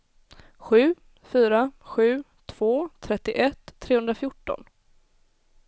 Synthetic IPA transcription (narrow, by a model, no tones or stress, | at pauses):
ɧʉ̟ː | fyːɾaɧʉ̟ː | t̪ʰv̥oːt̪ʰɾɛt̪ːɪʔɛt̪ʰːɾeːhɵnd̪ɾafjʊʈːɔ̰n